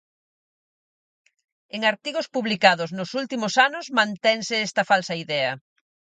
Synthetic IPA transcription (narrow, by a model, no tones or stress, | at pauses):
eŋaɾt̪iɣospuβlikaðʊznʊsult̪imʊsanʊzmãnt̪ɛŋsɪɛst̪ɐfalsɐiðɛɐ